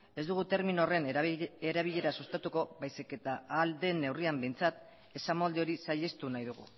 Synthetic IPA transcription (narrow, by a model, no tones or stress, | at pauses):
e̞zd̪uɣut̪e̞ɾminore̞ne̞ɾaβ̞iʎe̞ɾasust̪at̪uko̞βajsike̞t̪aːld̪e̞nːe̞wriambe̞jnt͡sat̪ | e̞samold̪eo̞ɾisaʎe̞st̪unajðuɣ̞ṵ